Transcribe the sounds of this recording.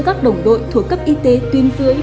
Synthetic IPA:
kaː˦˥k̚ɗə˨˩wŋ͡mɗo̰˧˨jt̪ʰu˨˩əkːə˦˥p̚ʔi˧t̪e˨˦t̪wi˧ənzɨ̰˧˦əj

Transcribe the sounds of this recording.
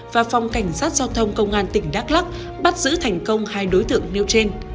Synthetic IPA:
vaː˨˩fa˨˩wŋ͡mka˧˩jŋ̟saː˦˥t̚z̥aː˧wt̪ʰə˧wŋ͡mkə˧wŋ͡mʔaː˧nt̪ï˧˩ŋ̟ɗaː˦˥k̚la˦˥k̚ | ɓa˦˥t̚zɨ̰˧˥t̪ʰɛ˨˩jŋ̟kə˧wŋ͡mhaː˧jɗo˨˦jt̪ɨ̰˧˨əŋne˧wt͡ɕe˧n

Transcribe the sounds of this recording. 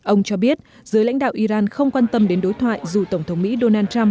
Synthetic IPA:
ʔə˧wŋ͡mt͡ɕɔ˧ɓi˦˥ət̚ | zɨ˨˦jla̰˧˥jŋ̟ɗa̰ː˧˨wʔi˧zaː˧nxə˧wŋ͡mkwaː˧nt̪ə˧mɗe˨˦nɗo˨˦jt̪ʰwa̰ː˧˨jzu˨˩t̪ə˧˩wŋ͡mt̪ʰə˨˦wŋ͡mmḭ˧˥ɗo˧naː˧nt͡ɕa˧m

